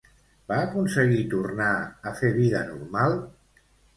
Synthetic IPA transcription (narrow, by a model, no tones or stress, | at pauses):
b̥aːkunsəɣit̪urnaəfeβiðənurmalˠ